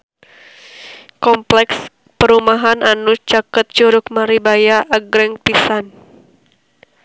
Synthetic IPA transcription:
kɔmplɛks | pəɾumaɦananut͡ʃakət̪̚t͡ʃuɾʊkmaɾibajaʔːɡɾɛŋpisan

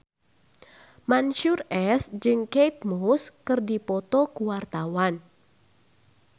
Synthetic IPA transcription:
manʃurɛsd͡ʒɨŋkejt̪̚muskɨrdipɔt̪ɔkuwart̪awan

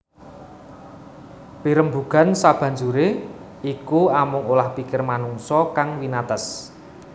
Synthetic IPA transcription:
piɾəmbuɡ̥a̤nsab̥ä̤ɲd͡ʒuɾe | ikuamʊŋolahpikɪrmanuŋsɔkaŋwinat̪əs

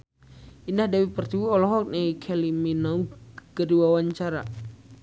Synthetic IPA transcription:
indahdawipərt̪iwuɔlɔɦɔk̚nekʰɛliminaukədiwawaɲt͡ʃaɾa̰

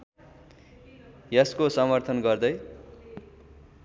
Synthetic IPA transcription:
jʌskosʌmʌrt̪ʰʌnɡʌrd̪ʌj

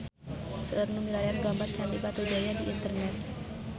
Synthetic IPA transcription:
səʔərnumiɾajarɡambart͡ʃalibat̪ud͡ʒajadiʔint̪ərnɛt̪̚

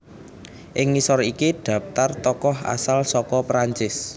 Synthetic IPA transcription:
ʔɪŋːisɔɾikiɖ̥ä̤f̚t̪art̪ɔkɔɦa̰salsɔkɔpɾaɲt͡ʃɪs

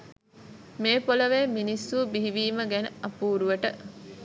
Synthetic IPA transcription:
meːpoləʋeːminisːuːbiɦiʋiːməɡænəɐpuːɾuʋəʈə

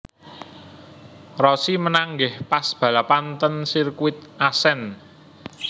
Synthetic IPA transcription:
rɔsimənaŋɡɪhpasb̥ä̤lapant̪ənsirkuɪt̪̚ʔasɛn

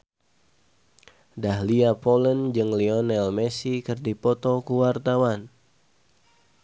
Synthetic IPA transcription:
dahliapɔlənd͡ʒɨŋliɔnɛlmɛsikɨrdipɔt̪ɔkuwart̪awan

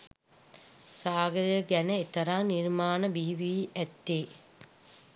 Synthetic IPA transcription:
saːɡəɾjəɡænəet̪ɐɾaːniɾmaːnəbiɦiʋiʔæt̪ːeː

